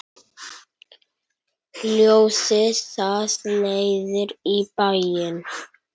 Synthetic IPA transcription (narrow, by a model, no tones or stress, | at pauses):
ljowsɪsaslejðɪɾipajɪn